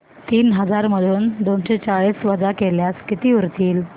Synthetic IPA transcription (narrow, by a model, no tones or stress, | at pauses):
t̪iːnɦəd͡zaɾməd̪ʱuːnd̪onɕet͡saɭiːsʋəd͡zakeljaskit̪iːʋəɾt̪iːl